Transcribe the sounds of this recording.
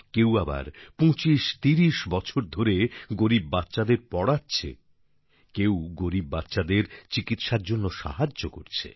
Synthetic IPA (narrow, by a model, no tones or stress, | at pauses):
kewaba̰ɾpõt͡ɕiʃt̪iɾiʃbɔt͡ɕʰoɾd̪ʱoɾeɡoɾibːatːɕad̪eɾpɔɽatːɕʰḛ | kewɡoɾibːatːɕad̪eɾt͡ɕikit̪ʃaɾd͡ʑonːoʃa̰ɦad͡ʑːoko̰ɾt͡ɕʰḛ